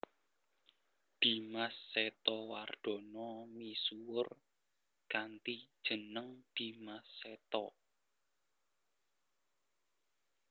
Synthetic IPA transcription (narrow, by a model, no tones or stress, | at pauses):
d̪̥i̤masːet̪ɔward̪̥ɔ̤nɔmisuwʊr | kant̪i̥ʒ̥ə̤nəŋd̪̥i̤masːet̪ɔ